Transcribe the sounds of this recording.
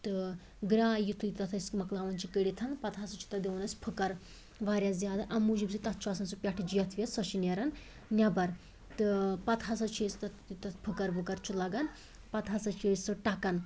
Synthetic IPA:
t̪ɨ | ɡɾaːjit̪ʰuit̪ɐt̪ʰɐsʲmɐklaːʋɐnt͡ʃʰikəɽit̪ʰɐnpɐt̪ʰasɐt͡ʃʰi̥t̪ɐd̪ʲeʋɐnɐsʲpʰɨkɐɾ | ʋaːɾjazʲjaːd̪aʔɐmud͡ʒibsit̪ɐt̪̚ʰt͡ʃʰuɐsɐnsupʲɐʈʰd͡ʒijɐt̪ʰʋjɐsɐʃinɐɾɐn | nʲɐbɐɾ | t̪ɨpɐt̪ʰɦɐsɐt͡ʃʰeːst̪ɐ | it̪ɐt̪pʰɨkɐɾbukɐɾt͡ʃʰulɐɡɐn | pɐt̪ʰɦɐsɐt͡ʃʰeːsɨʈɐkɐn

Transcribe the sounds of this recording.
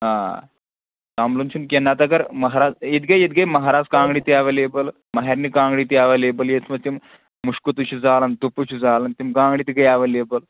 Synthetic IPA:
ɦaː | saːmlunt͡ʃʰunkenat̪ɐɡɐɾmɐɦaɾaːd͡zit̪ɡɐjet̪̚ɡɐjmɐɦaɾaːd͡zkãːŋɡɽit̪iaːʋɐleːbəl | mɐɦeɾnikãːŋɡɽit̪iaːʋɐleːbəljet͡sʰmɐt̪im | muʂkut̪ut͡ʃʰud͡zaːlɐnt̪uput͡ʃʰud͡zaːlɐnt̪imkaːŋɡɽit̪iɡɐjaːʋɐleːbəl

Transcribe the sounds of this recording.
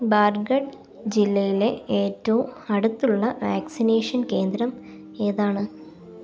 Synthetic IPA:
baːrɡɐɖ | d͡ʑilːɐjile̞eːtːɐʋumɐɽut̪ːuɭːɐʋaːksineːʂɐnke̞ːnd̪ɾɐm | eːðaːɳɨ

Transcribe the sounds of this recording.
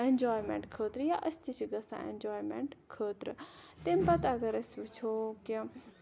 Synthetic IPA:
end͡ʒɔːjmḛɳʈkʰəːt̪ɾjaʔəst̪ʰit͡ʃʰiɡɐsã̰ḛ̃nd͡ʒɔːjmḛɳʈkʰəːt̪ɾt̪empɐt̪aɡɐɾɐsbɐt͡ʃʰoki

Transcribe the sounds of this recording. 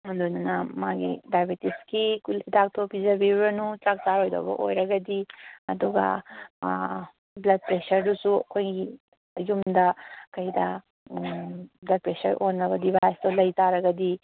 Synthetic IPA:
ɦund̪onanɐmaɡḭdajbetiskikulid̪ak̚t̪ʰopizɐbiuɾɐnut͡ʃak̚t͡ʃaɾojd̪ɔ̰bɐ̰ʔo̰jɾɐɡɐd̪iɐd̪uɡa̰ | blɐd̚pɾesɐɾdusukʰojɡi | ɐjumd̪ɐkɐjd̪ɐ | blɐd̚pɾesɐɾʔonɐbɐd̪ibajst̪ɔlɐjt̪aɾɐɡɐd̪i

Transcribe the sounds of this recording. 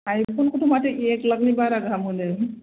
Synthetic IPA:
ajpʰonkuʈʰumaʈeʔekləɡnibaɾaɡʱamule

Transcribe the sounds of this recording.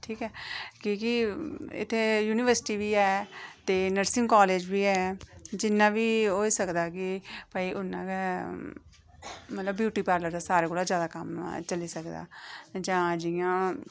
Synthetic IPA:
ʈʰiːkɛːkikɪɪ̰t̪ʰːeːjuːnɪʋəɾsɪ̥ʈiːʋiːɛːt̪eːnəɾsɪŋkɔːleːd͡ʒbiːɛːd͡ʒɪnːãːʋiːɦoːiːsəkd̪aːkɪpaːiːʔʊnã̰ːkɛ | mət̪ləbːjuːʈiːpaːɾləɾd̪aːsaːɾeːkoːlaːzjaːd̪aːkəmt͡ʃəliːsəkd̪a̰ːd͡ʒãːd͡ʒɪjãː

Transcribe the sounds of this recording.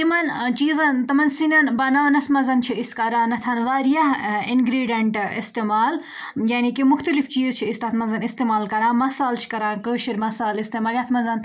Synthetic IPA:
t̪imɐnt͡ʃiːzɐnt̪ɐmɐnsinʲɐnbɐnaːnɐsmɐzɐnt͡ʃʰiiskɐɾãːnɐt̪ʰaːnʋaːɾijɐɦinɡɾiːɖijɐɳʈḭst̪eːmaːl | jaːnikimʊxt̪ɐlift͡ʃiːzt͡ʃʰiist̪aːt̪ʰmɐnzɐnist̪eːmaːlkɐɾãːmɐsaːlt͡ʃʰi̥kɐɾaːkəːʃiɾmɐsaːlist̪eːmaːljaːt̪ʰmɐnzɐn

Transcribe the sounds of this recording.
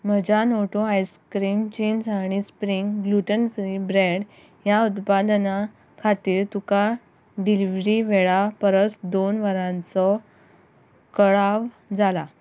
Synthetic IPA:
məd͡ʑanoʈoajskɾiːmt͡ɕinsaɽ̃ispɾiŋɡɡluʈənfɾibɾeɖ | jaut̪pad̪na | kʰat̪iːɾt̪uka | ɖiliʋɾiʋeɭapəɾət͡sd̪onʋəɾãnt͡sɔ | kəɭaʋ | d͡zala

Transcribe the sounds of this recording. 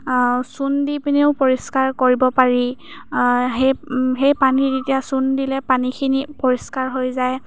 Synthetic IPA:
sundipineʊpɔɹiskaɹkoɹibɔpaɹi | ɦeɦejpanitetijasundilɛpanikʰinipɔɹiskaɹɦojzaj

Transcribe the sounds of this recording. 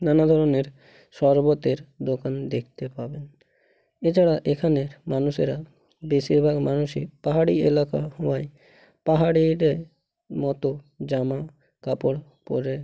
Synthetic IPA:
nanad̪ʱɔɾoneɾ | ʃɔɾbot̪eɾd̪okand̪ekʰt̪epaben | et͡ʃʰaɽaʔekʰaneɾmanuʃeɾa | beʃiɾbʱaɡmanuʃepaɦaɽielakahɔwaj | paɦaɽiɾe | mɔt̪o | d͡ʑama | kapoɽpɔ̰ɾe

